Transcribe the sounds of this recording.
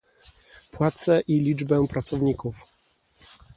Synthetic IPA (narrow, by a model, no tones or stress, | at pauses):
pwat̪sɛʔilʲid͡ʐbɛpɾat̪sɔvɲikuf